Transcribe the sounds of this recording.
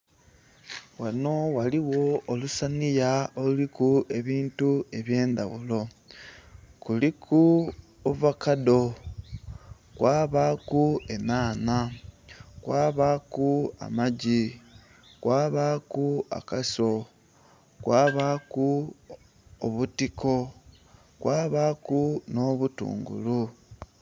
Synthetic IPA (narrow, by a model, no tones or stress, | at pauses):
wano̞waliwo̞olusanijaolulikuʔe̞βiːntue̞βje̞ːnd̪a̰βulo̞ | kulikʰu | ovakado̞ | kwʔaːβakue̞naːna | kwaːβakua̰maɟi | kwʔaːβakua̰kaso̞ | kwaːβaku | oβutikʰo̞ | kwaːβakuno̞ːβutṵːŋɡṵlu